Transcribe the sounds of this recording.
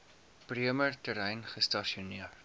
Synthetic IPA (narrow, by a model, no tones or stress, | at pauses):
priəmərtəɾɛjnχəstɑʃiuniərt